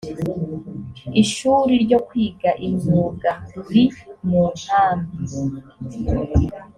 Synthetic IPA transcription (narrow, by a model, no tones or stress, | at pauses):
iʃuːɾiɾɟo̞kwiːɡaʔiɲuːɡaɾimuːnaːmbi